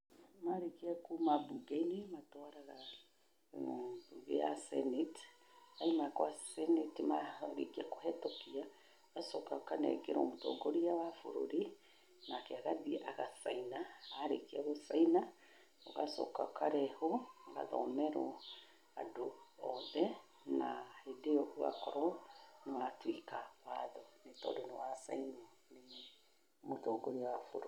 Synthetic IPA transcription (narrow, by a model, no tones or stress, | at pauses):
maɾekiakumabuɡeinematɔaɾaɣa | uɣea̰sɛ̰net | aimakwasɛnetimaɾḭkiako̥ɦɛtɔkia | ɣasɔkakanɛ̰ɡeɾo̰motɔ̰ɡoɾiawafo̰ɾo̰ɾi | nakeaɣaðiʔaɣasainaːɾḛkiaɣosaina | oɣasɔ̰ka̰kaɾɛhoɣa̰ðɔ̰mɛɾɔ | a̰doɔðɛ | nahedeɔʔua̰kɔɾɔnewatwikawaðɔnetɔ̰denewasa̰inɔ | ne | motoɡoɾijawafoɾoɾi